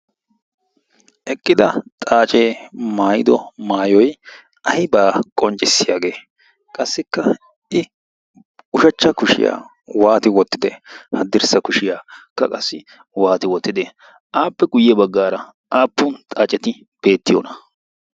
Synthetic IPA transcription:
ʔɛkʼːɪd̪ɐt̪ʼaːt͡ʃʼe̞ːmaːjɪd̪ɔmaːjɔj | ʔɐhɪbaːkʼɔnt͡ʃʼɪsːɪjaːɡe̞ː | kʼɐsːɪkːɐ | ʔɪ | ʊʃɐt͡ʃːɐkʊʃɪ̰ja̰ː | waːt̪ɪwɔt̪ːɪd̪ɛ̰hɐd̪ɪɾsɐkʊʃɪjaːkːɐkʼɐsːɪ | waːt̪ɪwɔt̪ːɪd̪ɛ | ʔaːpːɛɡʊjːɛbɐɡːaːɾɐ | ʔaːpːʊnt̪ʼaːt͡ʃʼːɛt̪ɪ | b̥e̞ːt̪ːɪjɔ̰ːnɐ̥

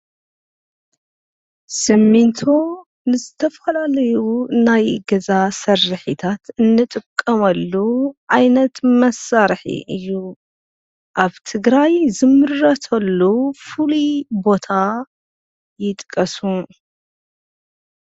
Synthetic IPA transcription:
sɨmːint̪ʰo | nɨzɨt̪ʰɐfɐlalɐjunajɡɐzasɐrɨħit̪ʰat̪ɨnːɨt̪ʼɨkʼːɐmɐlːuʕajnɐt̪mɐsːaɾħḭʔɨjːu | ʔaβt̪ʰɨɡɾajzɨmɨɾːɐt̪ʰɐlːufulibo̞t̪ʰa | jɪt̪ʼkʼɐsu

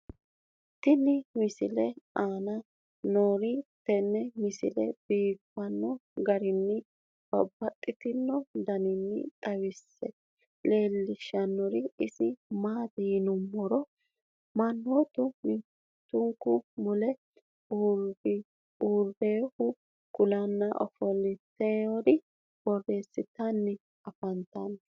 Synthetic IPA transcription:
t̪ɪnɪmɪsɪ̰lɛaːnɐ | noːɾɪt̪ɛnːɛmɪsɪ̰lɛ̰b̥iːkːɐnːɔɡɐɾɪnːɪ | b̥ɐ̰bːɐt̪ʼːɪt̪ɪnːɔd̪ɐnɪnːɪ̰t̪ʼɐwɪsːɛ | le̞ːlːɪʃːɐnːɔɾɪɪsɪmaːd̪iːnʊmːɔɾɔ | mɐnːot̪ʊmɪ | t̪ːʊŋkʊmʊlɛ | uɾbɪ | uːɾbeːhʊ | kʊlɐnːɐʔɔ̰fɔlɪt̪ːeːɔɾɪ | b̥ɔrːe̞ːsɪt̪ɐnːɪ | ɐfɐnt̪ɐn

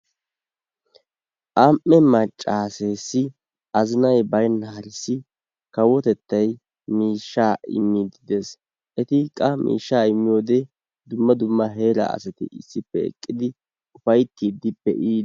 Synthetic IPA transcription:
ʔɐmʔːɛmɐt͡ʃʼːaːse̞ːsːɪ | ɐzɪnɐjbɐjnːɐhɐɾɪsːɪ | kɐwːɔt̪ɛt̪ːɐj | miːʃːaːɪ̰mːid̪ɪd̪es | ʔɛt̪ɪkʼɐmʔḭːʃːaːɪmːɪjoːd̪e | d̪ʊmːɐd̪ʊmːɐɦe̞ːɾɐ̰ɐ̰sɐt̪ɪ̰ɪsːɪpːɛɛ̰kʼːɪd̪ɪ | ʊfɐjt̪ːiːd̪ɪpːɛ̰ʔiː

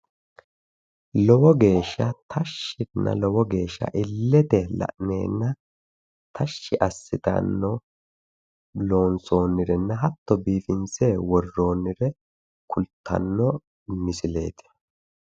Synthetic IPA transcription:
lɔwɔɡe̞ːʃːɐt̪ʰɐʃːɪnːɐ̰lɔwɔɡe̞ːʃːɐ̰ʔɪlːɛt̪ɛlɐ̰ʔne̞̰ːnːɐ | t̪ʰɐʃːɪʔɐsːɪt̪ɐ̰nːɔ | lo̞ːnso̞ːnːɪɾɛnːɐɦɐt̪ːɔbiːfɪnseːwɔrːo̞ːnːɪɾɛ | kʊlt̪ʰːɐ̰nːɔ | mɪsɪle̞̰ːt̪ɪ̥

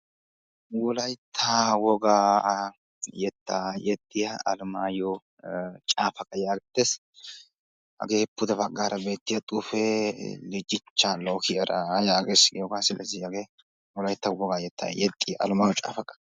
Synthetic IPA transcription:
wɔlɐjt̪ʰːawɔɡaː | jɛt̪ʰːaːjɛt̪ʼːɪjɐɐlʊmaːjɔ | t͡ʃʼaːfɐkʼɐjaːɡɛt̪ːes | hɐ̰ɡeːpːʊd̪ɛbɐɡːaːɾɐbe̞ːt̪ːɪjɐt̪ʼufɛlɛd͡ʒːɪt͡ʃːalokɪjɐɾʔɐjaːɡesɪɡjɔɡaːsɪlɐzɪjaːɡeː | wɔlɐjt̪ːɐwɔɡaːjɛt̪ːa̰jɛt̪ʼːɪjɐʔɐ̰lʊmaːjɔt͡ʃʼa̰ːfɐkʼɐ̥

